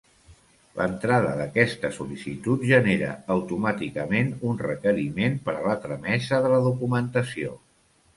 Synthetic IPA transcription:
lʔə̰nt̪ɾaðəðəkɛst̪əsulisit̪ut̪ʒəneɾə̰ːwt̪umat̪ikəmenunrəkəɾimenpəɾəlat̪ɾəmɛzəðələðukumənt̪əsio̰

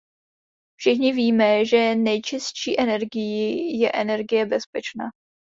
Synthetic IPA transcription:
fʃɪxɲɪviːmɛʒɛnɛjt͡ʃɪsʃḭːʔɛnɛɾɡɪjɪjɛʔɛnɛɾɡɪjɛbɛspɛt͡ʃna̰ː

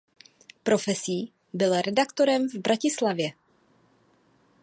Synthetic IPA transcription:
pɾo̞fɛsiː | bɪlɾɛdakt̪o̞ɾɛmvbɾacɪslavjɛ

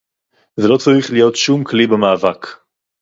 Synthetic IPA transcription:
zelo̞t͡saʁiχlijo̞tʃumklibemaːvak

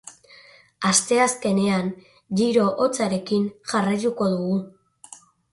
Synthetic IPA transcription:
ast̪e̞aske̞ne̞an | ʝiɾo̞ʔot͡saɾe̞kinʝarajt̪uko̞ðuɣu

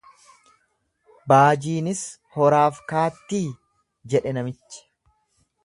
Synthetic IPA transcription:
baːd͡ʒiːnɪs | hɔɾaːfkaːt̪ːiː | d͡ʒɛᶑɛnɐmɪt͡ʃːɐ̥

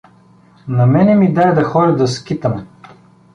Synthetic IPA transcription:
nɐmɛnɛmid̪ajd̪ɐxɔɾʲɐd̪ɐskʲit̪əmɛ

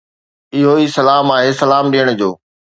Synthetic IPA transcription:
ɪɦoiːsɐlaːmaːɦeːsɐlaːmɗijəɽ̃̆d͡ʑoː

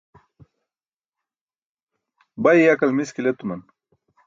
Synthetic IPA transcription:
baijakɐlmiskilet̪umɐn

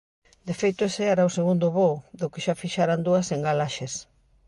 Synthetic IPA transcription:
d̪efejt̪oeseaɾaoseɣund̪ʊβoðʊkeʃafiʃaɾand̪uɐseŋɡalaʃes

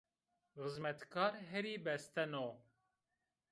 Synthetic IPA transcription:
ɣɨzmɛt̪kʰɑːɾɦɛɾiːbɛst̪ɛnoː

